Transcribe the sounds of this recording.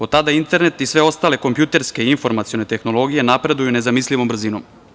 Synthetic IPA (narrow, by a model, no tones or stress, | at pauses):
ot̪ːad̪aint̪e̞ɾne̞t̪isʋe̞o̞st̪aːle̞ko̞mpjut̪e̞ɾske̞iɱfo̞ɾmat̪sijo̞ne̞t̪e̞xno̞lo̞ɡije̞napɾe̞d̪ujunezamisliʋombr̩ziːnom